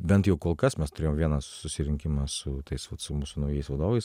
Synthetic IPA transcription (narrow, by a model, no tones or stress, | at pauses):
bʲɛnt̪jɛʊkoːlˠkɐsmʲɛst̪ʊɾʲeːjomʋʲiɛnɐsʊsʲɪɾʲɪŋʲkʲɪmɑsʊt̪ɐɪsʋɐt̪sʊmuːsʊnɐʊjɛɪsʋɐd̪oːʋɐɪs